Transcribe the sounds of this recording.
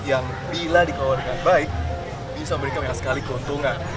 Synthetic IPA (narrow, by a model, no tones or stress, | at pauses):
jaŋ | biladikawarkanbaɪk̚ | bisaməmbəɾikaaksə̥kalikunt̪uŋan